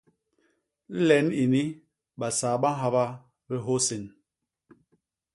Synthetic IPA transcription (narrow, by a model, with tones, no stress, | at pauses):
lɛ˨˦ni˨ni˦ | ɓa˨saː˨ɓa˦ɦa˦βa˦ | bi˦ɦo˦se˨n